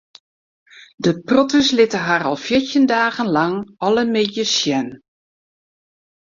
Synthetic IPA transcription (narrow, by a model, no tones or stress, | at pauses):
dəprɔtəslɪtəɦarɔlˠfjɪɹtjəndaːɣənlɑŋɔləmɪdjəsjɛn